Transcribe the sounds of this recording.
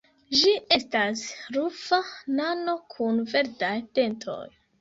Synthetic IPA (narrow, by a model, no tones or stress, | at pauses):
d͡ʒiʔe̞stasɾufanano̞kʰunve̞ɾdajte̞ntʰo̞̰j